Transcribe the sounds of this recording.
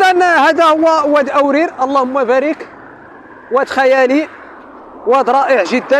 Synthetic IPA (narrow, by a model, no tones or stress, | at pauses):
ʔ̪ænhæd̪æhʊwːæwːæd̪ʔæwɾiɾʔɑlˤːɑhʊmːæbæɾək | wæt̪xæjæli | wæd̪ɾˤɑʔəʕʒəd̪ːæ